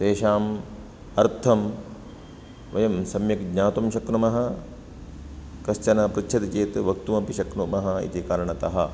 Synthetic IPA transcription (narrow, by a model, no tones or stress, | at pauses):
t̪eːʃaːm | ɐɾt̪ʰɐm | ʋɐjɐmsɐmjɐkɡɲaːt̪umʃɐknumɐɦɐ̆ | kɐst͡ʃɐnɐpɾut͡ʃʰɐt̪it͡ʃeːt̪ʋɐkt̪umɐpiʃɐknumɐɦɐḭt̪ikaːɾɐɳɐt̪ɐ̰ɦɐ